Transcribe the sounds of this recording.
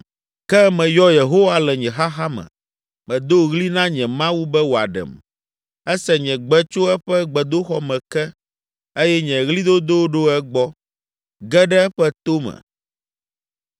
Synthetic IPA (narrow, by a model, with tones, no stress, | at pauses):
kɛ˦mɛ̃˨jɔ˦je˨ɦo˦wa˦lɛ˨ɲɛ̃˨ɦa˦xa˦mɛ̰̃˨ | mɛ̃˨d̪o˦ɣli˦nã˦ɲɛ̃˨mã˦wu˦bɛ˦wo˨a̰˨ɖɛ̰˨m | ɛ˦sɛ˨ɲɛ̃˨ɡ͡bɛ˦t͡ʃo˦ɛ˦ɸɛ˦ɡ͡bɛ˨d̪o˦xɔ˦mɛ̃˨kɛ˦ | e˦jɛ˦ɲɛ̃˨ɣli˦d̪o˦d̪o˦ɖo˦ɛ˦ɡ͡bɔ˦ | ɡɛ˦ɖɛ˦ɛ˦ɸɛ˦t̪o˦mɛ̰̃˨